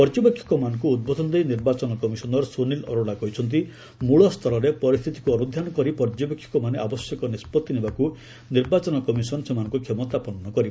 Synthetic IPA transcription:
pɔɾd͡ʒɔbekʰjɔ̥kɔmanɔ̃ŋkuːd̪̚bʱɔd̪ʱɔnd̪ejniɾbat͡ʃɔnɔkɔmisɔnɔɾsonilɔ̰ɾoɽakɔɦit͡ʃʰɔnt̪̬i | muɭɔst̪ʰɔɾɔɾepɔɾist̪ʰit̪i̥kuɔɾud̪ʱjanɔkɔɾipɔɾd͡ʒɔbekʰjɔ̥kɔmaneʔabɔsjɔkɔnispɔt̪ːinebaku | niɾbat͡ʃɔnɔkɔmisɔnsemanɔ̃ŋkukʰemɔt̪apɔnɔnɔkɔɾib

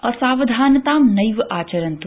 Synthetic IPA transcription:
ɔːɾsaːʋɐd̪ʱaːnɐt̪aːmnɐjʋʔaːt͡ʃɐɾɐ̃nt̪

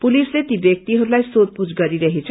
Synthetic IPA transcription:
pulislet̪ibjʌk̚t̪iɦʌɾulajsod̪̚pud͡zɡʌɾiɾʌɦet͡sʰ

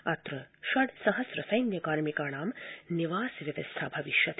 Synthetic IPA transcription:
ɐt̪ɾɐʃɐɽsɐɦɐsɾɐsɐjnjɐkaːɾmikaːɳaːmniʋaːsʋjɐʋ̪ɐst̪ʰabʱɐʋiʃjɐt̪

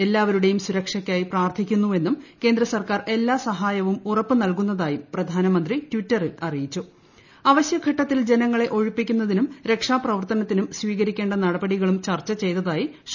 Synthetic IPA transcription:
e̞lːaːʋɐɾuɽe̞jumsuɾɐkʂɐkʲːaːjipraːrt̪ʰikʲːunːue̞nːumke̞ːnd̪ɾɐsɐrkaːre̞lːaːsɐɦaːjɐʋumurɐpːɨnɐlkun̪ːɐðaːjiprɐd̪ʱaːnɐmɐnd̪ritwitːɐrɨɐrijit͡ɕːu | ɐʋɐɕjɐɡʰʱɐʈːɐt̪ːild͡ʑe̞nɐŋːɐɭe̞ʔo̞ɻupːikʲːunːɐðinumɾe̞kʂaːprɐʋɐrt̪ɐnɐt̪ːinumsʋiːɣɐɾikʲːe̞ːɳɖɐnɐɽɐbɐɽiɣɐɭumt͡ɕɐrt͡ɕːɐt͡ɕe̞jt̪ɐðaːji | ʂ

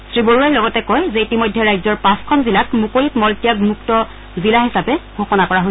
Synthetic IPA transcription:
sɹiboɹuajlɔɡɔtɛkɔjzɛitimojdʱːɛɹajzɔɹpãskʰɔnzilakmukojikmɔltijaɡmuktɔ | zilaɦisapɛɡʱoxɔnakɔɹaɦo

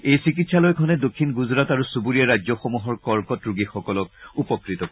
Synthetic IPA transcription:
ejsikitsalɔjkʰɔnɛdokʰːinɡuzɹataɹusubuɹijaɹajzɔxomuɦɔɹkɔɹkɔtɹuɡixɔkɔlɔkupɔkɹitɔ

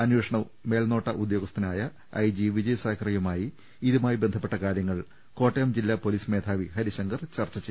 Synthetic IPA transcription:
ɐnweʂɐɳɐʋ | me̞ːlno̞ːʈːɐʔud̪jo̞ːɡɐst̪ɐnaːjɐ | ɐ̰jd͡ʑiʋid͡ʑɐjsaːkʰrijumaːji | iðumaːjibe̞nd̪ʱʰɐpːe̞ʈːɐkaːɾjɐŋːɐɭ | ko̞ːʈːejɐmd͡ʑilːapoliːsme̞ːd̪ʰʱaːʋiɦɐɾiɕɐŋɡɐrt͡ɕɐrt͡ɕːɐt͡ɕe

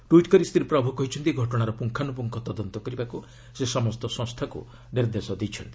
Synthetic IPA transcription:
ʈuiʈkɔɾist̪ʰiɾpɾabʱukɔɦit͡ʃʰɔnt̪iɡʱɔʈɔɽ̃aɾɔpuŋkʰanupɔŋkʰɔt̪ɔd̪ɔnt̪ɔkɔɾibaku | sesɔmɔst̪ɔsɔ̃ŋst̪ʰakṵ | ɖeɾd̪esɔd̪et͡ʃʰɔnt̪i̥

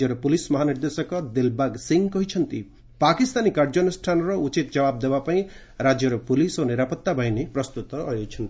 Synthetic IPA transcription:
jʌɾɔpulismɔɦaniɾd̪esɔkɔd̪elbaɡsiŋkɔɦit͡ʃʰʌnt̪i | pakist̪anikaɾd͡ʒɔnɔsʈʰanɾɔut͡ʃit̪̚d͡ʒʌbab̚d̪ebapaĩ | ɾad͡ʒjʌɾɔpulisoniɾapɔt̪ːabʱaɦjnepɾʌst̪ut̪ɔːjot͡ʃʰʌnt̪i̥

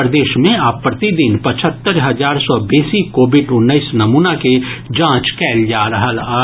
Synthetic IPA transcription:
ɾd̪eːʃmẽaːpːɾɐt̪id̪inpɐt͡ʃʰət̪ːəɾɦɐzaːɾsɔbeːsikoːbɪɖʊnːəɪsnɐmuːnaked͡ʒãːt͡ʃkɛːld͡ʒaːɾɐɦəlaː

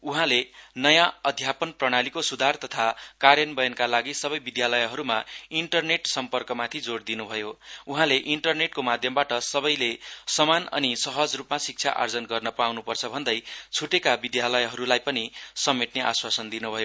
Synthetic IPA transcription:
uɦãlenʌjãʌd̪ʱjapʌnprʌɽ̃alikosud̪ʱart̪ʌt̪ʰakaɾjʌnbʌjʌnkalaɡisʌbʌjbid̪jalʌjɦʌɾumaiɳʈʌrneʈsʌmpʌrkʌmat̪ʰid͡zoɽd̪inubʱʌjouɦãleʔiɳʈʌrneʈkomad̪ʱjʌmbaʈʌsʌbʌjlesʌmanʌ̰nisʌɦʌd͡zrupmasik̚t͡sʰja̰ʔa̰rd͡zʌnɡʌrnʌpawnupʌrt͡sʰʌbʱʌnd̪ʌjt͡sʰuʈekabid̪jalʌjɦʌɾulajpʌnisʌmːeʈ̪neʔaswasʌnd̪inubʱʌjo

